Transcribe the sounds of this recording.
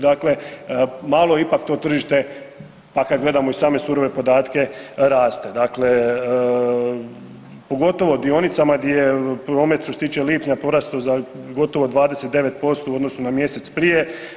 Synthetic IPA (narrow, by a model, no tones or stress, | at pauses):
d̪akle̞malo̞ipakt̪o̞ːt̪r̩ʒiʃt̪e̞ | pakad̪ɡle̞d̪amo̞isaːme̞suɾo̞ʋe̞po̞d̪aːt̪ke̞ɾaːst̪e̞d̪akle̞ | po̞ɡo̞t̪o̞ʋo̞d̪io̞nit̪samaɡd̪jejepɾo̞ːmet̪ʃt̪oset̪iːt͡ʃe̞liːpɲapo̞ɾast̪ozaɡo̞t̪o̞ʋo̞d̪ʋaːd̪ese̞t̪̚d̪e̞ʋe̞t̪̚po̞st̪o̞uo̞d̪no̞sunamje̞se̞t̪spɾije̞